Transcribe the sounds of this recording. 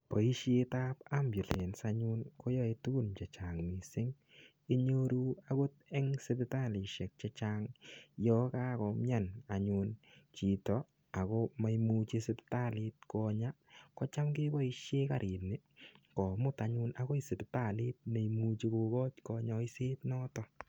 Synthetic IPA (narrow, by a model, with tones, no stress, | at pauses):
pɔ˨i˦ʃjetaː˦pa˦mbju˨le˨nsa˦ɲʊ˧nko˦jɔ˦e˧tu˦ɡu˦˨nt͡ʃɛ˨t͡ʃa˨ŋmi˨sɪ˦ŋ | i˦ɲoɾua˦ko˦tɛ˦ŋsɪpɪta˦li˨ʃɛ˨k̚t͡ʃɛ˧t͡ʃaːŋjɔ˦ka˦kɔmja˦na˨ɲu˧nt͡ʃi˨tɔ˨ | a˨kɔ˦ma˦jmu˦t͡ʃi˦sɪ˦pta˦lɪ˧t̚kɔɲa | kɔ˦t͡ʃa˦mke˦bɔ˦i˧ʃjeː˦kaɾʔi˨nɪ˦ | kɔ˨mʊ˦taɲʊ˦na˨ko˦i˦sɪ˨pɪta˨li˦t̚me˨jmu˧t͡ʃi˦ko˧kɔ˦t͡ʃkɔ˧ɲɔ˧i˦seː˦tnɔ˦tɔ